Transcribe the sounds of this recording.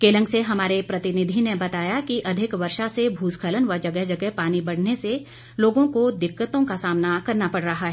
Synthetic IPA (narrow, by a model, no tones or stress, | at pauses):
keːlə̃ŋɡseɦɐmaːɾepɾɐt̪ɪnɪd̪ʱinebɐt̪aːjakiʔɐd̪ʱɪkʋɐɾʃasebʱuːskʰələnʋɐɾd͡ʒɐɡɛɦd͡ʒɐɡɛɦpaːnibɐɽ̤nese | loːɡõkod̪ɪkːət̪õkasaːmnakɐɾnapɐɽ̤ɾɐɦaɦɛː